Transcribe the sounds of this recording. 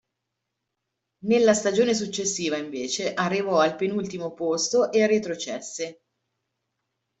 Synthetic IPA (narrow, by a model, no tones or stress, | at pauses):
nelːast̪ad͡ʒoːnes̬ut͡ʃːesːiːvaiɱveːt͡ʃeʔarːivɔalpenult̪imopost̪oʔeret̪ɾot͡ʃɛsːe